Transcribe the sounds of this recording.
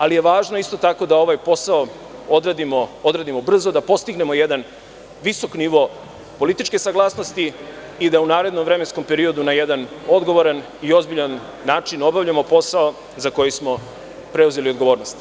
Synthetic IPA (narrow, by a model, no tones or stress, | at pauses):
alije̞ʋaːʒnoist̪o̞t̪ako̞d̪ao̞ʋajpo̞sao | od̪ɾad̪imood̪ɾad̪imo̞br̩zod̪apo̞st̪iɡne̞mo̞jed̪an | ʋiso̞kniʋo̞ | po̞lit̪it͡ʃke̞saɡlˠaːsno̞st̪i | id̪aunaːɾe̞d̪no̞mvɾe̞me̞nsko̞mpe̞ɾio̞d̪unajed̪ano̞d̪ɡo̞ʋo̞ɾan | io̞zbiʎanː | aːt͡ʃino̞baʋʎamo̞po̞sao | zako̞jismo̞ | pɾe̞uze̞liod̪ɡo̞ʋo̞ːɾnost̪